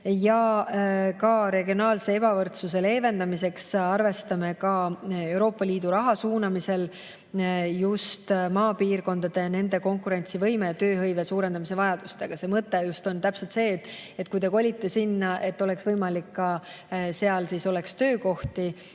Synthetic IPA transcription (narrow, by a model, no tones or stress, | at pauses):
jɑ | kɑɾe̞ɡio̞nɑːlse̞e̞bɑvɤrt̪sus̬e̞le̞ːve̞nd̪ɑmise̞ksɑrve̞st̪ɑme̞kɑe̞wɾo̞ːpːˑɑliːd̪̥uɾɑɦɑsuːnɑmise̞l | just̪mɑːpiːrko̞nd̪̥ɑd̪̥e̞ne̞nd̪e̞ko̞ŋkuɾe̞nʲt̪sivɤjme̞t̪ø̞ːɦɤjve̞suːɾe̞nd̪ɑmise̞vɑjɑd̪̥ust̪e̞ɡ̥ɑse̞mɤt̪ˑːe̞just̪o̞nt̪æpset̪se̞ːt̪ːet̪ːˑkujt̪eko̞lʲit̪ːˑesinːɑʔe̞t̪ːˑo̞leksvɤjmɑlikːɑ | se̞ɑlsiso̞le̞kst̪ø̞ːko̞ht̪i